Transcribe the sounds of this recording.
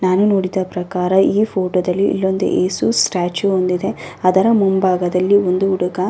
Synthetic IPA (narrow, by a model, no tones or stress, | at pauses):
naːnunoːɽid̪ɐpɾɐkaːɾɐiːpʰoːʈoːd̪ɐlːiʔḭlːond̪ḛʔeːsusʈaːt͡ʃuond̪id̪e̞ɐd̪ɐɾɐmumbaːɡɐd̪ɐlːiond̪uuɽɐɡɐ